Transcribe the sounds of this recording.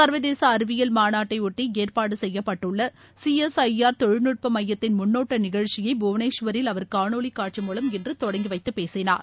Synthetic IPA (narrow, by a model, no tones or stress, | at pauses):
sɐɾʋɐðeːsɐːɾɯʋɪjɐlmaːnaːʈːɐɪʊʈːieːrpaːɽɯsɛjːɐpːɐʈːɯɭːɐ | siɛsɐɪaːɾt̪ɔɻɯnɯʈ̚pɐmɐjːɐt̪ːɪnmʊnːoːʈːɐnɪɣɐɻt͡ʃɪjɐɪbuːʋɐneːʂʋɐɾɪlɐʋɐɾkaːɳoːɭikːaːʈ̚t͡ʃimuːlɐmɛndrɯt̪ɔɽɐŋɡiʋɐɪt̪ːɯpeːsɪna̰ːɾ